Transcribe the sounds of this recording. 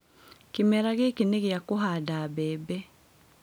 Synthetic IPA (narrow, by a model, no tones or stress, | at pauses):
kimɛɾaɣekineɣjakoɦadabɛːbɛ